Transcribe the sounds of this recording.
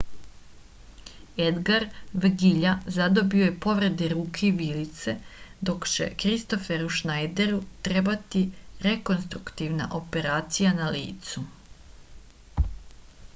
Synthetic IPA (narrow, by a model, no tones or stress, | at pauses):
e̞d̪ɡaɾʋɡiʎazad̪o̞bioje̞po̞ʋɾe̞d̪eɾuːkʰe̞iʋilit̪se̞d̪o̞kt͡ɕe̞̰kɾist̪o̞fe̞ɾuʃnajd̪e̞ɾut̪ɾe̞bat̪iɾe̞ko̞nst̪ɾukt̪iʋna̰ʔo̞pe̞ɾaːt̪sijanalḭːt̪su